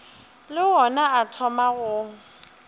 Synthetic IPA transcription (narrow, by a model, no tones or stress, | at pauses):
lɪɦɔnaatʰɔmaɣʊ